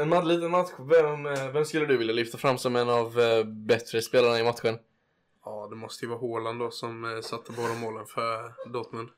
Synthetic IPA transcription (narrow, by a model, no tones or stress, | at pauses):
ɛnmad̪liːt̪ənmat̪ɧvɛmvɛmskɵlːəd̪ɵvɪljalʏft̪afɾamːsɔmɛnːavbɛt̪ɾəspeːlaɳaɪmat̪ɧən | ɑːd̪ɛmɔst̪əjəvɑːɦoːland̪ɔsɔmsat̪ʰːəboːd̪amoːlənfœɾd̪ot̪mən